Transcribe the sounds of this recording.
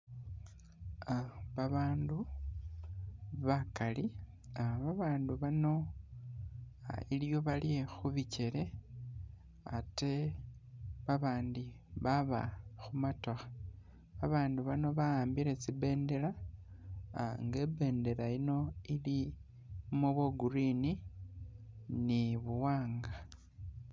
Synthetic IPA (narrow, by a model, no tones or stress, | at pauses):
βaβaːndu | βakali | aβaβaːnduβano̞ | iljo̞βaliexuβice̞ɾe̞ | ate̞ | βaβaːndi | βaβa̰xumatoxḁ | βaβaːnduβano̞βajaːmbiɾe̞t͡sibe̞ːnde̞la | ŋɡe̞ːbe̞ːnde̞laino̞ili | muβoɡuɾini | niβuwaːŋɡa